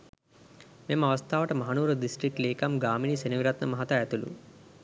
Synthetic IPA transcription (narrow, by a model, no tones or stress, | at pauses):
memɐʋɐst̪ʰaːʋəʈəmɐɦanuːɾəd̪isʈɾik̚ʈleːkamɡaːminiseniʋiɾat̪nəmɐɦat̪aæt̪ulṵ